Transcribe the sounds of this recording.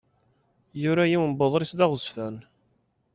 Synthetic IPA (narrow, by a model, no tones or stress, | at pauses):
jʊɾæjiwəmboðˤɾisd̪ɑʁʊsfæn